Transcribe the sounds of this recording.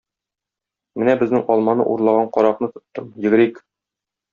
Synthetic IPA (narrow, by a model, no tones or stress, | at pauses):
mɘnæbɘ̆znɘŋɒlˠmɑnɤ̰ʔuɾlˠɑʁɑɴqɒɾɑqnɤt̪ɤ̆t̪ːɤmjɘ̆ɡɘ̆ɾik